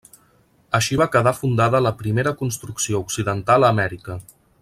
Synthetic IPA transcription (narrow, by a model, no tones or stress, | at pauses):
əʃiβakəðafund̪aðələpɾimeɾəkunst̪ɾuksiouksiðənt̪alˠəːmɛɾikə